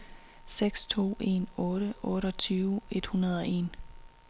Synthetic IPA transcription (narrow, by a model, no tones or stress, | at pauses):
seɡ̥st͡sʰo̝̰ːe̝̰ːnɔ̽ːɾ̥əʔɔ̽ːɾəɒ̽t͡sʰyːʊe̝d̥hunɐð̞ˠɒ̽e̝̰ːn